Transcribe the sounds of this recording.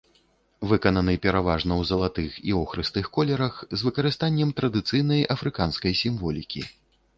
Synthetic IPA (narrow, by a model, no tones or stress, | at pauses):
vɨkɐnɐnɨpʲɛɾavaʐnɐwzɐlˠat̪ɨxḭɔxɾɨst̪ɨxkɔlʲɛɾɐxzvɨkɐɾɨst̪anʲːɛmt̪ɾɐd̪ɨt̪sɨjnɐjɐfɾɨkanskɐjsʲimvɔlʲikʲḭ